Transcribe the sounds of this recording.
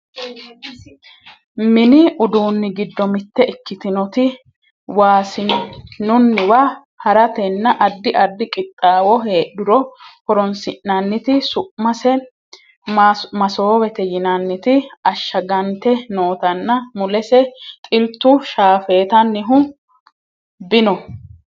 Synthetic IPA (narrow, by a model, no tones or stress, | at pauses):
mɪnɪʊd̪uːnːɪɡɪd̪ːɔmɪt̪ːɛʔɪkːɪt̪ɪnɔt̪ɪ | waːsɪnʊnːɪwa | hɐɾɐt̪ɛnːɐʔɐd̪ːɪʔɐd̪ːɪkʼɪt̪ʼːaːwɔɦe̞ːɗʊɾɔhɔɾɔnsɪʔnɐnːɪt̪ɪsʊʔmɐsɛ | mɐsoːwɛt̪ɛjɪnɐnːɪt̪ɪɐʃːɐɡɐnt̪ɛnoːt̪ɐnːɐmʊlɛsɛt̪ʼɪlt̪ːʊʃaːfe̞ːt̪ɐnːɪɦʊ | bɪnɔ